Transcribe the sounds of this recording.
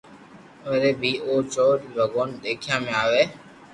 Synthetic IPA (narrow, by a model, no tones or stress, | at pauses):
əɾeːbʱiːoːt͡ʃoːʈibəɡoːnɗ̪eːkʰɪjãːmẽːaːʋeː